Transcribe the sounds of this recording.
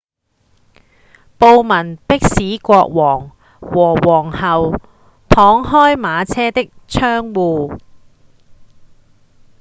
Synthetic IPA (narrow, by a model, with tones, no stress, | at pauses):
po˧wmɐ˨˩npɪ˥k̚siː˨˥kʷɔː˧k̚wɔː˨˩ŋ | wɔː˨˩wɔː˨˩ŋhɐ˨w | t̪ʰɔː˨˥ŋɦɔː˥jmaː˨˧t͡sʰɛː˥t̪ɪ˥k̚t͡sʰœː˥ŋwuː˨˧